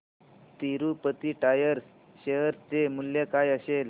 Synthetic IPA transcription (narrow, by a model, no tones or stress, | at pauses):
t̪iɾupət̪iːʈajəɾs | ɕeɦəɾt͡semulːjekajəɕel